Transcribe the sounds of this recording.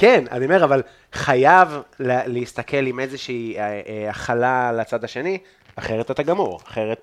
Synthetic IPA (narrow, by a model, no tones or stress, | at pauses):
kena̰niome̞ʁaval | χajavleleist̪ake̞limezeʃiːaχalalat͡sad̪haʃe̞ni | aχeʁet̪at̪aɡamoʁaχeʁet̪